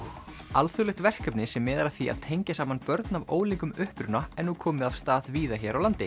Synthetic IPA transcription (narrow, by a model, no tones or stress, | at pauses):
alθʏɾlɪxt̪vɛr̥kœpnɪsɛmːɛːðaɾḁθia̰ðt̪ʰejɲcɪsaːmanpœɾt̪navoːwliŋkʏmʏhpɾʏnaɛnukʰɔːmɪav̥st̪aːðviːðaçɛɾawlant̪ɪ